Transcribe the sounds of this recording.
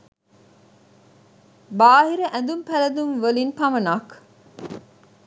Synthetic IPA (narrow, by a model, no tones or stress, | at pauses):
baːɦiɾɐʔæ̃nd̪umpælɐd̪unʋəlinpɐmɐnaːk